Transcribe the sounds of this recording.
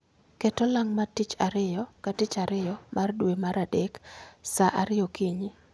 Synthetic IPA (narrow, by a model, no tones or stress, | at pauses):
ketolaŋmatit͡ʃaɾɪjɔkatɪt͡ʃaɾɪjɔmʔardwemaɾadeksaʔaɾɪjokiɲi